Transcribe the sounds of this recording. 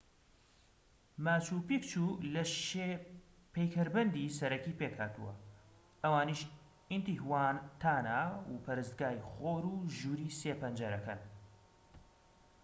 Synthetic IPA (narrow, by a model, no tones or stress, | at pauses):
maːt͡ʃuːpikt͡ʃulɐʃe | pʰejkʰɐɾbɐnd̪iːsɐɾɐkiːpeːkhaːt̪ṵwɐ̰ | ʔɐwaːniːʃ | int̪ihwaːnt̪ʰaːnawupʰɐɾɨst̪̚ɡaːjχoːɾuʒuːɾiːseːpɐnd͡ʒɐɾɐkɐn